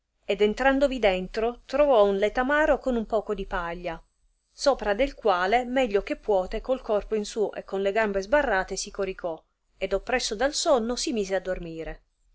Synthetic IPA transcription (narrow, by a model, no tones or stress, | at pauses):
ed̪ɛnt̪ɾand̪ovid̪ɛnt̪ɾot̪ɾovɔunlet̪amaːɾokonumpɔːkod̪ipaʎːa | soːpɾad̪elkwaːlemɛʎːok̟epːwɔːt̪ekolkɔrpoinsuːʔḛkːonleɡambezbarːaːt̪esikoɾikʰɔ | ed̪opːɾɛsːod̪alsɔnːosimiːzead̪ːormiːɾe